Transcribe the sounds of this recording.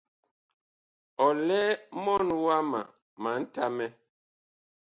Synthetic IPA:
ɔ˨lɛ˦mɔ˦nwa˦ma̰˨ | ma˨˦n̩˦ta˦mɛ˦

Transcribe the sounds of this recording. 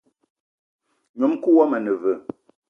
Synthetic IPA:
ɲo˨˦mku˦wɔ˦mə˨nə˨və˨

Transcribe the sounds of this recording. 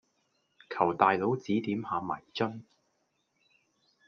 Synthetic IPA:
kʰɐ˨˩wt̪aː˨jlo˨˥wt͡siː˨˥t̪iː˨˥mhaː˨˧mɐ̰˨˩jt͡ʃɵ˥n

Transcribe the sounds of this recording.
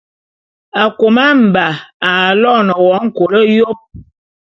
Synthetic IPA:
a˨ko˨ma˦m̩˨ba˨a˨lɔ˦˨nə˨wɔ˨˦ŋ̩˦˨ko˨lə˦jo˦p̚

